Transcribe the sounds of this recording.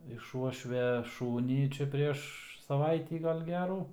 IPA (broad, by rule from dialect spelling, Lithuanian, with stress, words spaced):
ɪʃ ˈuɔʃʲʋʲɛ ˈʃuːnʲiː t͡ʃʲɛ ˈpʲrʲiɛʃ sɐˈʋɐɪtʲiː ˈɡɐlʲ ˈɡʲæːruː